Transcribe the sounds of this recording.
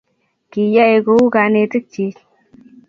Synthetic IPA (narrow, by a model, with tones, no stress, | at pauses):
ki˨ja˦e˨ɡo˧˦u˦ka˨ne˨t̪i˦k̚t͡ʃi˨˦